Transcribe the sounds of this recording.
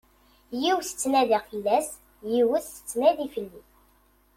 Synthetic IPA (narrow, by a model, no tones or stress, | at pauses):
jiwsə̥t͡sːnæðifəlːæs | jiwəθə̥t͡sːnæðifəlːi